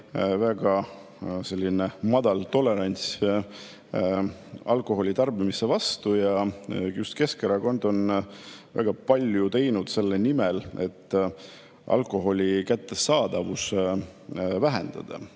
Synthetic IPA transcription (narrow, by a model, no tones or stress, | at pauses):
væɡ̥ɑ | se̞lʲːinemɑd̪̥ɑlt̪o̞le̞ɾɑnʲt̪sʲ | ɑlko̞ɦo̞lʲit̪ɑrbimise̞vɑst̪ujɑjust̪ke̞skeɾɑko̞nd̪o̞nvæ̰ɡ̥ɑpɑlʲjut̪e̞jnud̪̥se̞lːenimele̞̰t̪ːˑ | ʔɑ̰lko̞ɦo̞lʲikæt̪ːe̞sɑːd̪̥ɑvus | væɦe̞nd̪̥ɑ̰d̪̥ɑ̰